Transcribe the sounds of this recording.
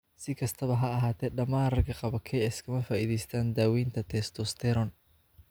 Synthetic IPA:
sɪkʰɐst̪ʰɐβɐɦɐɐɦaːt̪ʰɛːɖɐmaːnrɐkʰɐqɑβɐkʰɛːɪskʰɐmɐfaːʔiːðɛjst̪ʰaːnd̪aːwiːnt̪ʰɐt̪ʰɛːst̪ʰɔst̪ʰɛɾɔn

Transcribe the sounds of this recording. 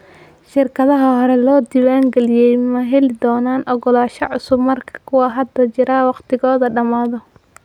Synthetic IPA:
ʃɪrkʰɐðɐɦɐhɔɾɛlɔːd̪ɪwaːŋɡɛlɪjɛjmɐɦɛlɪd̪ɔːnaːnʔɔɣɔlaːʃɐ̰ʕʊsʊbmɐrkʰɐ̥kʰʊwɑɦɐd̪ɐt͡ʃɪɾaːwɑqt̪ʰɪɣɔːðɐɖɐmaːðɔ

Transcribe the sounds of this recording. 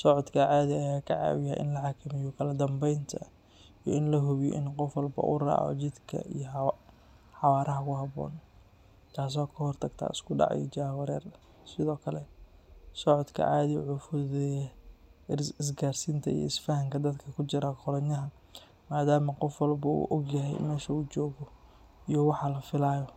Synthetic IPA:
sɔʕɔd̪kʰɐʕaːðɪajaːkʰɐʕa̰ːwɪja̰ʔɪ̰nlɐħɑkʰɐmɪjɔkʰɐlɐd̪ɐmbɛjnt̪ʰɐ | ijɔɪnlɐɦʊβjɔ̰ʔɪnqɔfwɐlbɐ̰ʔʊ̰ra̰ːʕɔ̰t͡ʃɪd̪kʰɐ̰ijɔ | ħɑwaːɾʔɐɦɐkʰʊɦɑβɔ̰ːn | t̪ʰaːs̬ɔːkʰɐhɔrt̪ʰɐɡt̪ʰa̰ːɪ̰skʰʊɖɑ̰ʕɑ̰jɔ̰t͡ʃaːwɐɾɛːr | sɪðɔːkʰɐlɛ | sɔʕɔd̪kʰɐ̰ʔaːðiʕʊfʊðɛ | ɪs̬ɡaːrsint̪ʰɐḭj̰ɪsfɐɦɐŋkʰɐd̪ɐd̪kʰɐkʰʊt͡ʃɪɾaqʰɔlɐɲɐɦɐ | maːd̪aːmɐqɔfwɐlbɐṵːʔɔɡjɐɦɛ̰jmɛːʃɐuːt͡ʃɔːɣɔ | ijɔwɑħɑlɐfɪlaːjɔ

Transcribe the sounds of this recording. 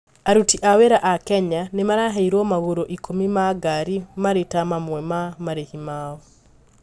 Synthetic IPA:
aɾutiʔaweɾaʔakɛɲanemaɾaɦaiɾwɔmaɣoɾoʔikomimaɡaɾimaɾetamamwɛmamaɾehimaːwɔ

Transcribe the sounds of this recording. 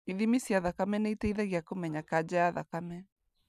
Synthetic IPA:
iðimisiaðakamɛnɛitɛiðɛɣjakomɛɲakad͡ʒajaðakamɛ

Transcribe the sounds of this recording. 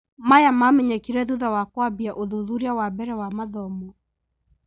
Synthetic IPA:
majamamɛɲɛkiɾɛðuðawakwabiaʔoðuðuɾiawabɛɾɛwamaðɔmɔ

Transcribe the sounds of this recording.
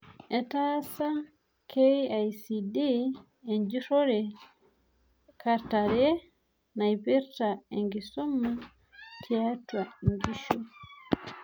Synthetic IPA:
ʔɛtasa | kʰejajsidi | ɛɲd͡ʒiɾɔɾɛ | kaɾtaɾɛ | najpiɾtaɛŋɡisumːa | tʰiatwaŋɡiʃu

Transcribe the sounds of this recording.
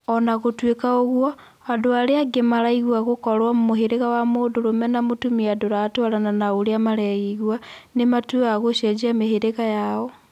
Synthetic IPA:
ɔnaɣotwekaoɣwo | adoaɾeaɡemaɾaiɣwaɣokɔɾwamumoɦeɾeɣawamodoɾomɛnamotumiadoɾaːtwaɾananaoɾeamaɾaiɣwanematweaɣoʃed͡ʒiameheɾeɣajaɔ

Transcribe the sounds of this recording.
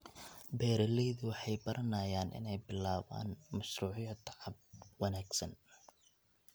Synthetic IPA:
bɛːɾɐlɛjðʊwɑħɑjbɐɾʔɐnaːjaːnʔɪ̰nɛjbɪlaːβa̰ːnmɐʃruːʕjɐt̪ʰʕɑb̚wɐnaːɡsɐn

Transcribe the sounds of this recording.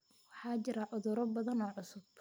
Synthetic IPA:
wɑħɑːt͡ʃɪɾɐʕʊðʊɾɔbɐðɐnɔːʕʊsʊb

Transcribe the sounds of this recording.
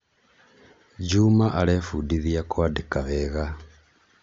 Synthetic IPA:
d͡ʒumaʔalefudiðiakwadikaβeɣa

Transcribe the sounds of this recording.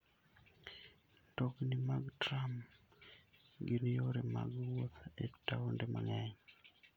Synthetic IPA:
dɔɡnimaɡtɾam | ɡinjoɾema̰ɡwot̪etaondema̰ŋɛɲ

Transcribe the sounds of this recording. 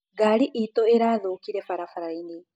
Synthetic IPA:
ɡaːɾiʔiːt̪oeɾaːðoːkiɾefaɾafaɾajni

